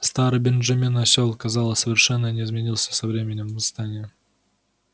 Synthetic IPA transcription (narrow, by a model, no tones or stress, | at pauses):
st̪aɾɨjbʲɪnʐamʲenasʲolˠkɐzɑlˠəsʲsəvʲɪrʂɛnːənʲɪizmʲɪnʲilˠsʲə̥sɐvɾʲemʲɪnʲɪmvɨst̪anʲɪjə